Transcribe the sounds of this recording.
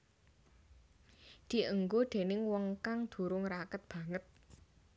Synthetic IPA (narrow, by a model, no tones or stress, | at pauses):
d̪̥i̤ʔəŋɡod̪̥e̤nɪŋwɔŋkaŋd̪̥ṳɾʊŋɾakət̪̚b̥ä̤ŋət̪̚